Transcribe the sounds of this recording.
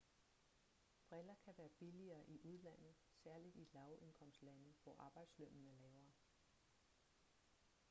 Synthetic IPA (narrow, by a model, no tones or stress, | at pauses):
b̥ʁɛelɐkʰæʋæːɐb̥iliɐːʔiʔuð̞ˠlæn̰ð̩ˠsæɐlid̥ilɑ̈ʊʔe̝nkʰɒ̽m̰sdlænəʋɒ̰ʔɑ̈ːb̥ɑ̈ɪ̰d̥slømnəlɛːʊɐ